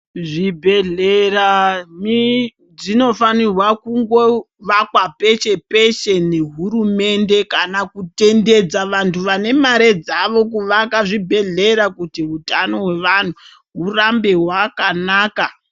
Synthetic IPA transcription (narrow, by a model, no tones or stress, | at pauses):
ʐibʱe̞ɮerami | d͡zino̞fanirwakuŋɡo̞ | ʋakwape̞t͡ʃe̞pe̞ʃe̞ne̞ɦuɾume̞nde̞kanakute̞nde̞d͡zaʋantʰuʋane̞maɾe̞d͡zaʋo̞k̬uʋakaʐibʱe̞ɮe̞ɾakutiɦutano̞ɦwe̞ʋan̤u | ɦurambe̞ɦwakanaːka